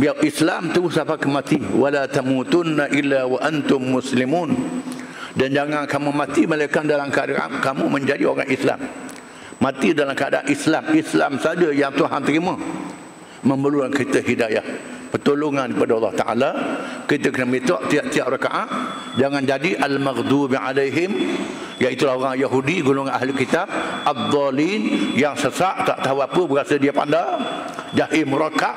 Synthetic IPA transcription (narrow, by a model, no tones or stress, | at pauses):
biawʔislamt̪əɡʊhsapakəmãt̪iwalat̪amut̪ʊnːaʔilːawaʔant̪ʊmːʊslimuːn | dand͡ʒaŋankamũmãt̪imalakandalamkəadaʔa̰nkamũmə̃ɲd͡ʒadio̰ɾa̰ŋʔisla̰mː | ãt̪idalamkəa̰daa̰nʔislamislamsad͡ʒəjaŋt̪uɦa̰nt̪əɾimã | məmbəluankit̪əɦidaja̰hpərt̪oloŋankəpadəɑlːɑht̪aʔa̰lakit̪əkənəmit̪ɔ̰ʔt̪iaʔt̪iaʔraka̰ʔaʔ | d͡ʒaŋand͡ʒadiʔalmaɣd̪ubʕa̰lajɦɪm | jaʔit̪ulahoɾaŋjaɦudiɡuloŋanʔaɦlʊlkit̪ab̚ʔad̪ˤːɑlinjaŋsəsaʔt̪aʔt̪aɦawapəbəɾasədiapa̰ndad͡ʒahimuɾakaʔ